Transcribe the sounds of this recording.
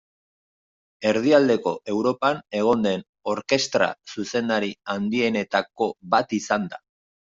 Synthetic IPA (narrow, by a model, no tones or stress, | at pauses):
e̞ɾð̞iald̪e̞ko̞ʔe̞wɾo̞pane̞ɣ̞o̞nd̪e̞n | o̞ɾke̞st̪ɾa̰suse̞nd̪aɾiand̪ie̞ne̞t̪ako̞βat̪isand̪a